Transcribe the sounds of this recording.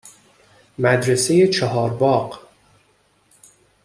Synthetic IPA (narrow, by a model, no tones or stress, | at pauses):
mæd̪ɾese̞jet͡ʃʰɒɦɒːɾbɒːɢ